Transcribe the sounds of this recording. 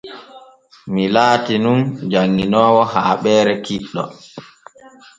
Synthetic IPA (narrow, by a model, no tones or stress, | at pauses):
milaːtinund͡ʒaŋːinɔːwɔhaːɓɛːɾɛkiɗːɔ̰